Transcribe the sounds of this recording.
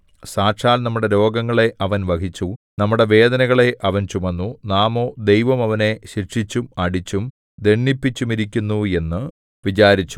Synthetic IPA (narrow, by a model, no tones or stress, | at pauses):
saːʈʂaːlnɐmːuɽe̞ɾo̞ːɡɐŋːɐɭe̞ʔɐʋɐnʋɐkit͡ɕːunɐmːuɽe̞ʋe̞ːd̪ɐnɐɣɐɭe̞ʔɐʋɐnt͡ɕumɐnːunaːmo̞ːd̪ejʋɐmɐʋɐne̞ɕirʂit͡ɕːumɐɽit͡ɕːum | d̪eɳːipːit͡ɕːumiɾik̬ʲːunːue̞nːɨ | ʋit͡ɕaːɾit͡ɕːu̥